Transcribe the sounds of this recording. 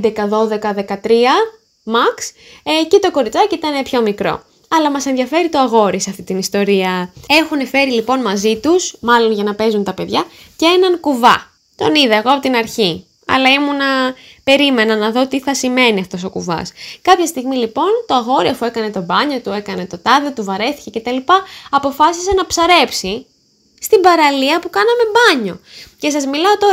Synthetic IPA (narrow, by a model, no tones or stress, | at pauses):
d̪ekɐðo̞ðe̞kɐðe̞kɐt̪ɾiɐ | mɐks | ce̞t̪o̞ko̞ɾit͡sɐcit̪ɐne̞pço̞mikɾo̞̰ | ɐlɐmɐse̞nðʝɐfe̞ɾit̪o̞ɐɣo̞ɾisɐft̪it̪inist̪o̞ɾiɐe̞xune̞fe̞ɾilipo̞nmɐzit̪usmɐlo̞nʝɐnɐpe̞zunt̪ɐpe̞ðʝɐ | cee̞nɐŋkuvɐ̰ | t̪o̞niðɐeɣoɐpo̞t̪inɐɾçi | ɐ̰lɐimunɐ | pe̞ɾime̞nɐnɐðo̞t̪iθɐsime̞niɐft̪o̞so̞kṵvɐ̰skɐpçɐst̪iɣmilipo̞nt̪oɐɣo̞ɾiofuekɐne̞t̪o̞bɐɲo̞t̪ue̞kɐne̞t̪o̞t̪ɐðet̪uvɐɾe̞θi̥ce̞ce̞t̪ɐlipɐːpo̞fɐsisenɐpsɐɾe̞psi | st̪ibɐɾɐliɐpukɐnɐme̞bɐɲo̞̰ce̞s̬ɐzmilɐo̞t̪o̞